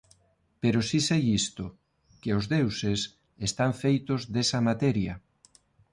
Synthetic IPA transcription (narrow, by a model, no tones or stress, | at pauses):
peɾosisejist̪ʊ | kɪozðewses | est̪aɱfejt̪ozðesɐmat̪ɛɾjɐ